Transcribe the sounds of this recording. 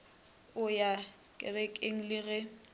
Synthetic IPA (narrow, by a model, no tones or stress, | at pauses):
ʊja | kʼɪ̰rɛkʼeŋ̩lɪɣɛ